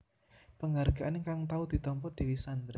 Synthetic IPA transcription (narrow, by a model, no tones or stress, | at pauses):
pəŋarɡ̥aʔnŋkaŋt̪aud̪̥i̤t̪ɔmpɔd̪̥e̤wisand̪ɾ